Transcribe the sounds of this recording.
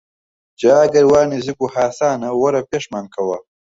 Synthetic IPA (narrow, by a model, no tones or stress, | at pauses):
d͡ʒaaɡɐɾwaːnizikuhaːsaːnawɐɾapeʂmankʰawa